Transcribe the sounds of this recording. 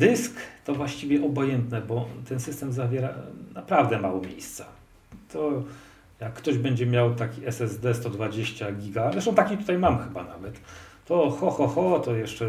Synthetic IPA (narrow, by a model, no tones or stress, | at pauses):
d̪ɘskt̪ɔvwaɕt͡ɕivʲjɛʔɔbɔjɛnt̪nɛbɔt̪ɛnsɘst̪ɛmzavʲjɛɾa̰napɾavd̪ɛmawɔmʲjḛjst̪sḁ | t̪ɔ | jakːt̪ɔʑbɛɲd͡ʑɛmʲjawt̪akʲiɛsɛzd̪ɛst̪ɔd̪vad͡ʑeɕt͡ɕaɡʲiɡazɾɛʂt̪ɔ̃w̃t̪akʲit̪ut̪ajmamxɘbanavɛt̪ː | ɔxɔxɔxɔt̪ɔjɛʂt͡ʂɛ